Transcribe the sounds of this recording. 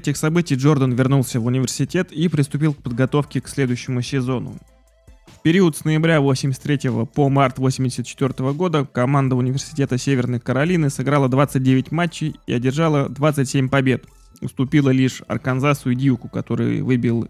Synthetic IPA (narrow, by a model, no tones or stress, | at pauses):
ɛtʲɪxsɐbɨtʲɪjʐo̞rd̪ənvʲɪrnulˠsʲəvʊnʲɪvʲɪrsʲɪtʲe̞t̪ipɾʲɪst̪ʊpʲilˠkpəd̪̚ɡɐt̪o̞fkʲɪksʲlʲe̞d̪ʊjʏɕːɪmʊsʲɪzo̞nʊ̰ | fpʲɪɾʲiət̪snəjɪbɾʲavo̞sʲɪmʲɪsʲt̪ʲɾʲetʲɪvə̰pomart̪vosʲɪmʲdʲɪsʲət̪̚t͡ɕːɪt̪vʲo̞rt̪əvəɡo̞d̪əkɐmand̪əʊnʲɪvʲɪrsʲɪ̥tʲe̞t̪əsʲevʲɪrnəjkəɾɐlʲinɨsɨɡɾalˠəd̪vat̪sɨt̚ʲdʲevʲɪtʲmat͡ɕːɪjḭɐdʲɪrʐalˠəd̪vat̪sɨtʲsʲemʲpɐbʲe̞t̪ | ʊ̰st̪ʊpʲilˠəlʲiʂɐ̰rkɐnzat̪sɨjʊdʲiukʊkɐt̪o̞ɾɨ̰jvɨbʲɪlˠ